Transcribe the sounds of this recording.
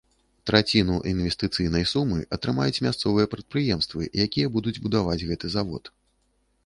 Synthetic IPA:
t̪ɾat͡sʲinuʔinvʲɛst̪ɨt̪sɨjnɐjsumɨʔɐt̪ɾɨmajut͡sʲmʲast̪sɔvɨjɐpɾɐt̪̚pɾɨjɛmst̪vɨjakʲijɐbud̪ud͡zʲbud̪avad͡zʲɣɛt̪ɨzavɔ̰t̪

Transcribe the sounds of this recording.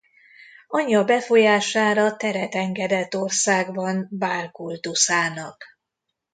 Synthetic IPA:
ɒɲːɒbɛfo̞jaːʃaːɾɒt̪ɛɾɛt̪ɛŋɡɛd̪ɛt̪ːo̞rsaːɡbɒnbaːrkult̪usaːnɒk

